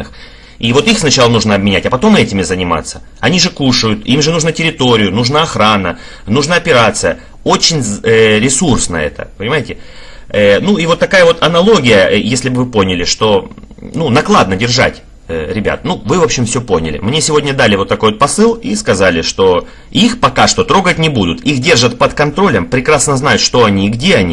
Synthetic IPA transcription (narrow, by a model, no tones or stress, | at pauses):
ɨx | ivo̞t̪ixsnɐt͡ɕalˠənuʐnəɐbmʲɪnʲætʲɐpɐt̪o̞mɛtʲɪmʲɪzənʲɪma̰t̪sːə | ɐnʲiʐɨkuʂəjʊt̪imʐɨnuʐnətʲɪɾʲɪt̪o̞ɾʲɪjʊnuʐnaɐxɾanə | nuʐnaɐpʲɪɾat̪sɨjə | o̞t͡ɕːɪnʲɾʲɪsursnə̰ɛ̰t̪ə̰pənʲɪmajɪtʲɪ | ənuivo̞t̪ːɐkajəvo̞t̪ɐnɐlˠo̞ɡʲɪjəjesʲlʲɪbvɨpo̞nʲɪlʲɪʂt̪o̞ | nunɐklˠad̪nədʲɪrʐa̰tʲ | əɾʲɪbʲa̰t̪̚nuvɨvo̞pɕːɪmfsʲoponʲɪ̰lʲɪ̰mnʲesʲɪvo̞dʲnʲəd̪alʲɪvo̞t̪ːɐko̞jvot̪pɐsɨlˠiskɐzalʲɪʂt̪o̞ | ixpɐkaʂt̪o̞t̪ɾo̞ɡət̚ʲnʲɪbud̪ʊt̪ixdʲe̞rʐət̪pət̪kɐnt̪ɾo̞lʲəmpɾʲɪkɾasnəznajʊt̪ʂt̪o̞ɐnʲiːɡdʲe̞ɐnʲi